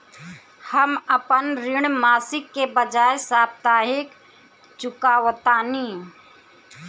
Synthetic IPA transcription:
həməpənɾɪɳ̃maːsɪkːebəd͡ʒaːesaːb̚t̪aːɦɪk | t͡ʃʊkaːwt̪aːni

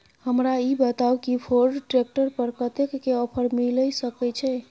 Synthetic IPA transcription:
həmɾaibət̪aukipʰoɾɖʈɾek̚ʈəɾpəɾkət̪ekːeɔpʰəɾmiləjsəkɛt͡ʃʰɛ

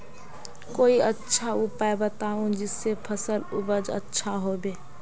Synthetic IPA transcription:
koːiətːʃʰaupaebət̪aũd͡ʒɪsːepʰəsəlubəd͡ʒə̰tːʃʰaɦobe

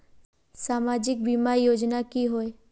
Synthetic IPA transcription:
saːmad͡ʒɪk̚bimaɾijoːd͡ʒnakiɦoe

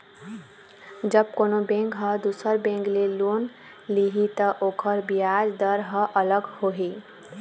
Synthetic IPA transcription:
d͡ʒəb̚konobẽŋkɦʌ̃d̪usəɾbẽŋklelon | liɦit̪ʌʔokʰəɾbijad͡ʒd̪əɾɦʌʔələɡhoɦi

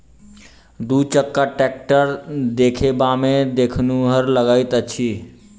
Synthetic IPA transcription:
d̪ut͡ʃəkːaʈɛk̚ʈəɾd̪ekʰebamed̪ekʰnuɦəɾləɡəjt̪ət͡ʃʰi

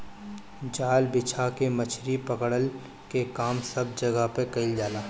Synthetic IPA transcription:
d͡ʒaːlbɪt͡ʃʰakemət͡ʃʰɾipəkɽəl | kekaːmsɐb̚d͡ʒɐɡapekɐɪld͡ʒaːlaː

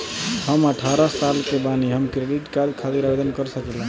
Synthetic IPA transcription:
həməʈʰaɾəsalkebaniɦəmkɾeɖiʈkad̪kʰat̪iɾabed̪ənkəɾsəkɛlə̃

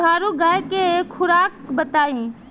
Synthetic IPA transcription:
aːɾuɡaːekekʰʊɾaːkbət̪aːĩ

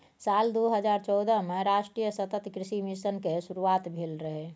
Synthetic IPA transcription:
saːld̪oɦəd͡ʒaːɾt͡ʃɔːd̪əmẽɾaːʃʈɾijəsət̪ət̪kɾɪʃimɪʃənkeʃuɾuaːt̪bʱeːlɾəɦe

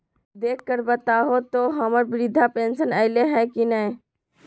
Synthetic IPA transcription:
d̪ekːəɾbət̪aɦot̪oɦəməɾbiɾid̪ʱapensənəɪleɦɛ̃kinəj

